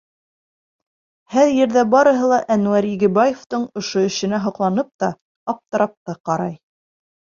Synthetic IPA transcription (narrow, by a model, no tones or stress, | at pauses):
hæɾjɘ̆ɾðæbɑɾɤ̆ɦɤ̆lˠɑʔænuæɾiɡɘ̆bajeft̪ɤɴŏʃoɵ̆ʃɘ̆næɦŏqlˠɑnɤp̚t̪ɑ | ɑp̚t̪ɤ̆ɾɑp̚t̪ɑqɑɾɑj